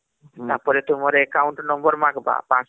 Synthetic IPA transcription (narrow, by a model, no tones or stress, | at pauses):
t̪apɔɾɛt̪umɔɾɛːkawɳʈnɔmbɔɾmakba̰pãs